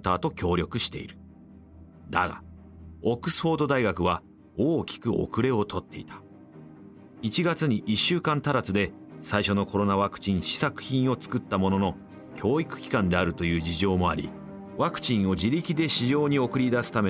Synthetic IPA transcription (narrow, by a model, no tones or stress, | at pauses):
t̪aːt̪o̞kʲo̞ːɾʲo̞kɯ̟ɕi̥t̪e̞ḭɾɯ̟ | d̪a̰ɡa̰ | okːɯ̟̥sɨ̥ɸo̞ːd̪o̞d̪aiɡakɯ̟βa | oːkʲi̥kɯ̟o̰kɯ̟ɾe̞o̞t̪ʰo̞t̪ːe̞it̪ʰḁ | it͡ɕiɡat͡sɨɲ̟iʔiɕːɨːkãnt̪aɾat͡sɨd̪e̞saiɕo̞no̞kʰo̞ɾo̞naβakɯ̟̥t͡ɕĩɰ̃ɕi̥sakɯ̟̥çĩɰ̃o̞t͡sɨ̥kɯ̟t̪ːamo̞no̞no̞ | kʲʰo̞ːikɯ̟̥kʲi̥kãnd̪e̞aɾɯ̟t̪o̞jɯ̟ːd͡ʑiʑo̞ːmo̞a̰ɾʲḭ | βakɯ̟̥t͡ɕĩɰ̃o̞d͡ʑiɾʲikʲid̪e̞ɕiʑo̞ːɲ̟io̞kɯ̟ɾʲid̪asɨ̥t̪ame